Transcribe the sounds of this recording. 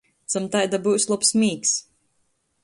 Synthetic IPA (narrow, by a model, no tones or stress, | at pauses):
t̪samt̪ajd̪abuwslˠupsmiːks